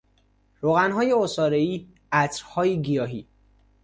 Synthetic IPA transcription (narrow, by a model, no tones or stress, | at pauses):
ɾoɣænɦɒːjeosɒːɾeiː | æt̪ʰɾhɒːjiɡijɒːɦiː